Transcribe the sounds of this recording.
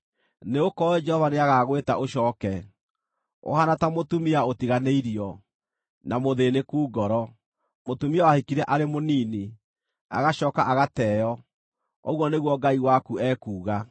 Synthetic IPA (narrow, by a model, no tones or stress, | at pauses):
neokɔɛd͡ʒɛhɔvaneaɣaɣweta̰ʔoɕɔːkɛ | o̰hanatamotumiaotiɣaneiɾiɔ | namoðenekuːɡɔɾɔ | motumiawahikiɾɛʔaɾemoniːni | a̰ɣaɕɔːkaʔaɣatɛjɔ | ɔɣwɔneɣwɔɡaiwakuɛkuːɣa